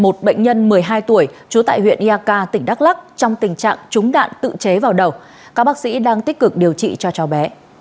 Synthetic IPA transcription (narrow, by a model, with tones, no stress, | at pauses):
mo˨˩t̚ɓə̰˧˨jŋ̟ɲə˧nmɨ˨˩əjɦaː˧jt̪u˧˩əjt͡ɕu˨˦t̪a̰ː˧˨jhwḭ˧˨ənʔi˧aː˧kaː˧t̪ï˧˩ŋ̟ɗa˦˥k̚la˦˥k̚t͡ɕɔ˧wŋ͡mt̪ï˨˩ŋ̟t͡ɕa̰ː˧˨ŋt͡ɕʊ˨˦ŋ͡mɗa̰ː˧˨nt̪ɨ̰˧˨t͡ɕe˨˦vaː˨˩wɗə˨˩w | kaː˦˥k̚ɓaː˦˥k̚sḭ˧˥ɗaː˧ŋt̪i˦˥k̚kɨ˨˩k̚ɗi˨˩əwt͡ɕḭ˧˨t͡ɕɔ˧t͡ɕɔ˨˩wɓɛ˨˦